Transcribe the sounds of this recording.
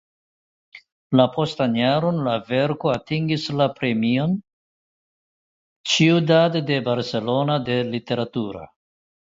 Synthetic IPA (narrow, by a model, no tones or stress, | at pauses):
lapʰo̞stanjaɾo̞nlave̞ɾkoatiŋɡislapɾe̞mio̞n | t͡ʃiudadde̞baɾse̞lo̞nade̞lite̞ɾatuɾa̰